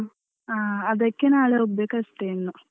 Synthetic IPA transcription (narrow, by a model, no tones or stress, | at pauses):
aːɐðɐkʲːenaːɭeobekɐsʈejnːu